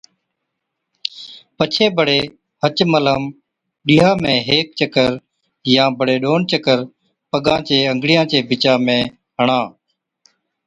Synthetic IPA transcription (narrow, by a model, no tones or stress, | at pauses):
pət͡ʃʰeːbəɽeː | hət͡ʃmələm | ɗiːɦaːmẽːɦeːk̚t͡ʃəkəɾ | jãːbʱəɽeːɗoːnt͡ʃəkəɾ | pəɠãːt͡ʃeːəŋɡɽɪjãːt͡ʃeːbɪt͡ʃaːmẽː | ɦəɳãː